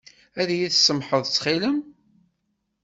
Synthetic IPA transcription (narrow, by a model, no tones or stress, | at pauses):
æðjiθsəmħəðˤt͡sːχiləm